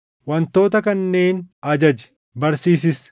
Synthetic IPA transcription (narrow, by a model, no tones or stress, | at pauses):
wɐnt̪o̞ːt̪̬ɐkɐnːe̞ːnɐd͡ʒɐd͡ʒɛ̥ | bɐɾsiːsɪs